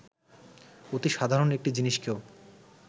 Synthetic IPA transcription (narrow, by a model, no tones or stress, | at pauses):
ot̪iʃad̪ʱaɾonek̚ʈid͡ʑiniʃkeo